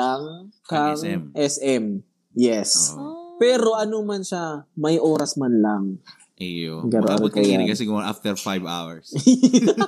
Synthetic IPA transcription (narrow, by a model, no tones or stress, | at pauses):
aŋkɐŋʔɛsʔɛm | jɛspɛːɾo̞ʔɐnomɐnʃamɐjʔo̞ːɾɐsmanlaŋ | ʔjoɡɐnoɐɾokɐjakɐsɛɡʊmːʔaft̪ɛɾfajva̰wɛ̰ɹs